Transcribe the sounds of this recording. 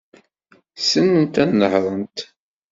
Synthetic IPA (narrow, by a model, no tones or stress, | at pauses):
sənːənt̪ænːəhɾˤənt̪